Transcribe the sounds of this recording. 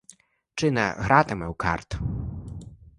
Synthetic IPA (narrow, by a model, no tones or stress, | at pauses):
t͡ʂɪnɐ̰ɣɾat̪ɪmɛwka̰rt̪